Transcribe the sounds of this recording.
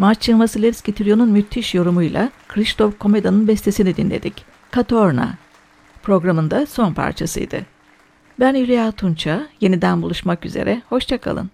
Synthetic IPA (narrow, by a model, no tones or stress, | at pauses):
mat͡ʃt͡ʃʰɯnˠmasɯlʲˠeɾscit̪ʰiɾjonunmyt̪ʰːiʃjo̞ɾumujlˠa̰kʰɾist̪ʰo̞fkʰo̞me̞d̪anɯnbɛst̪ʰesinid̪inlʲe̞̰d̪ic | kʰat̪ʰo̞ɾna̰ | pɾo̞ɡɾamɯnd̪aso̞npʰa̰ɾt͡ʃʰasɯ̰jd̪ɯ̰ | bæniɾiat̪ʰunt͡ʃʰaje̞nid̪ænbulˠuʃmaky̰ze̞̰ɾʔɛho̞ʃt͡ʃʰakʰa̰lˠɯ̰n